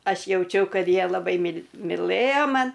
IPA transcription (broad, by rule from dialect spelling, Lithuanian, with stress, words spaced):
ˈɐʃ jɛʊˈt͡ʃʲɛʊ ˈkɐt ˈjiɛ lˠɐˈbɐɪ mʲɪlˠ mʲɪˈlˠɘjɛ ˈmɐn